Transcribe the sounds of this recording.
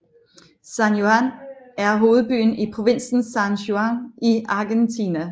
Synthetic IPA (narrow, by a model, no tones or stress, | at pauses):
sænjo̝ænæɐɦo̝ːð̞̩ˠb̥y̰ːn̩ipʰʁo̝ʋe̝n̰sn̩sænɕoæŋiɑ̈ɡ̥ent͡sʰinæ